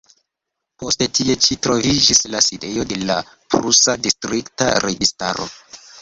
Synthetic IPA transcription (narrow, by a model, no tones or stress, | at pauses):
po̞stetʰie̞t͡ʃitɾo̞vid͡ʒislaside̞jo̞de̞la | pɾusadistɾikta̰ɾe̞ɡista̰ɾo̞̰